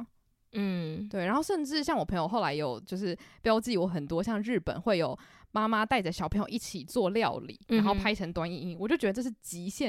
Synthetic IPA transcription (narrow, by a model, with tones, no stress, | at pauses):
n̩˥˩t̪we˥˩ɪɻa˧˥nxo˥˧ʂə˥˧nʈ͡ʂɻ̩˥˧ɕjɑ˥ŋwɔ˨˩pʰə˧˥ŋjo˨˩xo˥˩ʊla˧˥ɪjo˨˩ʊt͡ɕjo˥˧ʊʂɻ̩˥˩pjɑ˥ʊt͡ɕi˥˩˨wɔ˧˥xə˨˩nt̪wɔ˥ɕjɑ˥˧ŋɻ̩˥˩pə̰˨˩˦nxwe˥˩ɪjo˨˩ʊma˥ma˦t̪a˥˧ɪt͡sa˥˩ɪɕɑ˨˩pʰŋjo˨˩˨i˥˩t͡ɕʰi˨˩t͡swɔ˥˨ljɑ˥˨ʊlḭ˨˩˦ɻa˨˧˥nxo˥˩ʊpʰa˥ɪʈ͡ʂʰə˧˥ŋt̪wa˥ni˥˩i˥ŋwt͡ɕo˥˩ʊt͡ɕɥɛ˧˥ə˧ʈ͡ʂʂɻ̩˥˩t͡ɕi˧˥ɕjɛ˥˨